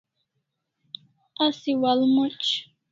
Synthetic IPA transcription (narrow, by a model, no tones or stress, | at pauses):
asɪwalmʊt͡ʃ